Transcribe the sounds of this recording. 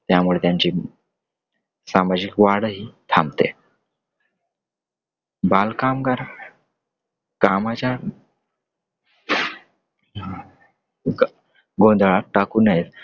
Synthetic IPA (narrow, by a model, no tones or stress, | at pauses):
t̪jamuɭet̪jaɲt͡ɕiː | samad͡ʑikʋaɽɦiːt̪ʰamt̪ḛ | balkamɡaɾa | kamat͡ɕja | ɡõnd̪ʱɭaʈakuːnəjet̪